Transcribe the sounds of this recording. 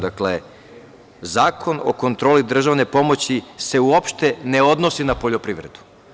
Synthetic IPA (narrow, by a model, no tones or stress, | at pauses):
d̪akle̞ | zaːkʰo̞no̞̰ko̞nt̪ɾo̞ːlid̪r̩ʒaʋne̞po̞mo̞t͡ɕiseuopʃt̪e̞ne̞o̞d̪nosinapo̞ʎo̞pɾiʋɾe̞̰d̪u̥